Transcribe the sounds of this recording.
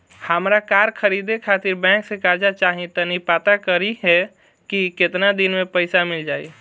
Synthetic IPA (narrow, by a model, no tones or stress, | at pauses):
həmɾakaɾkʰəɾid̪ekʰat̪ɪɾbɛ̃ksekaɾd͡ʒat͡ʃaɦĩt̪ənipat̪akəɾiɦɛ | kiket̪nad̪inmepəɪsamɪld͡ʒaːi